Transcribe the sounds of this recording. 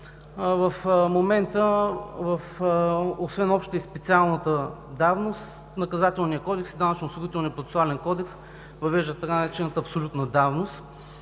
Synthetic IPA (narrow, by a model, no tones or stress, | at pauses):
vəfmomɛnt̪əvəf | osvɛnɔpʃt̪t̪əispɛt̪sialˠnət̪əd̪avnost̪ | nɐkɐzat̪ɛlˠnijəkɔd̪ɛksid̪anət͡ʃnosoɡit̪ɛlˠnijəpɾot̪ɛ̥sʊalɛnkɔd̪ɛks | vɐvɛʒd̪ət̪ɐkat͡ʃɛnət̪əɐpsolʲut̪nəd̪avnost̪